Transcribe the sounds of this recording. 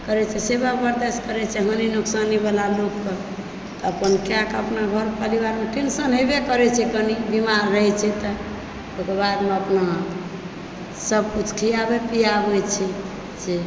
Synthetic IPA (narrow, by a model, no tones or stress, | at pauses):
kəɾɛt͡ʃʰɛsebabəɾd̪eskəɾɛt͡ʃʰɛɦəninuksanibelalokːə | t̪əpənkeãkəpnaɡʱəɾpəɾiβaɾmeʈinsənɦebekəɾɛt͡ʃʰɛkənibimaɾːəɦɛt͡ʃʰɛt̪ə | bokebaɾmeəpna | səb̚kut͡ʃkʰiabepijabɛt͡ʃʰɛ | d͡ʒe